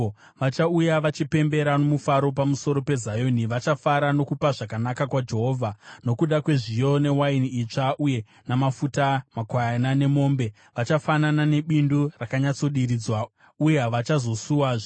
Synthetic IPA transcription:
ʋat͡ʃaujaʋat͡ʃipe̞mbe̞ɾano̞mufaɾo̞p̬amuso̞ɾo̞pe̞zajoniʋat͡ʃafaɾano̞kupaʐakanakakwad͡ʒe̞ɦo̞ːvʱano̞kuɗakwe̞ʐijo̞ne̞wainit͡ʂaʔuje̞ | namafutamakwajanane̞mo̞ːmbe̞ | ʋat͡ʃafananane̞ɓindurakaɲat͡so̞ɗiɾid͡zwa | ujeʋat͡ʃazo̞suwaːʐ

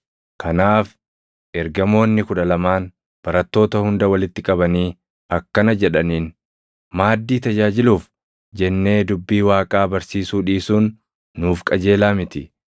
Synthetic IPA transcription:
kʰɐnaːf | ʔɛɾɡɐmo̞ːnːɪkʊᶑɐlɐmaːn | b̥ɐɾɐt̪ːo̞ːt̪ɐhʊnd̪ɐwɐlɪt̪ːɪkʼɐbɐniː | ɐkːɐnɐd͡ʒɛᶑɐniːn | maːd̪ːiːt̪ɐd͡ʒaːd͡ʒɪluːf | d͡ʒɛnːe̞ːd̪ʊbːiːwaːkʼaːbɐɾsiːsuːᶑiːsuːnː | uːfkʼɐd͡ʒe̞ːlaːmɪt̪ɪ

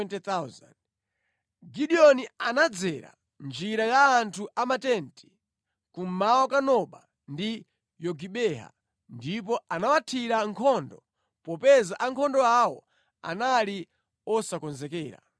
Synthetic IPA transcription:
ɛntɛt̪aza̰nd | ɡiɗiɔnianad͡zɛɾa̰ | nd͡ʒiɾajaːntʰuʔamatɛntʰi̥ | kum̩mawɔkanɔɓa | ndi | jɔɡiɓɛɦa̰ | ndip̬ɔʔanawatʰiɾaŋkʰɔndɔ | pɔpɛzaʔaŋkʰɔndɔawɔ | a̰nali | ɔsakɔnzɛkɛːɾa̰

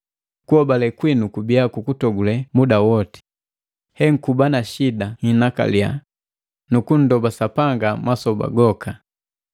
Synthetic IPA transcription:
kuɔbalɛkwinukubiakukutɔɡulɛmudawɔti̥ | hɛŋ̩kubanaʃidaŋinaka̰lia̰ | nukun̩dɔbasapaŋɡamwasɔba̰ɡɔkʰa

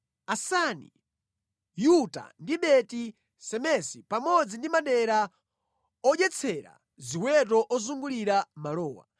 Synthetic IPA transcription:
asanḭ | juta̰ndiɓɛti | sɛmɛsipamɔd͡zindimaɗɛɾa | ɔʄɛt͡sʰɛɾa̰ | ziwɛt̬ɔʔɔzuŋɡuliɾamalɔːwa̰

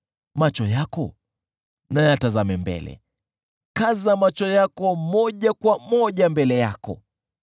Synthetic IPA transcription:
mat͡ʃɔjakɔ | najatazamɛmbɛ̰lɛ̰ | kazamat͡ʃɔjakɔmɔʄakwamɔʄambɛlɛjakɔ̰

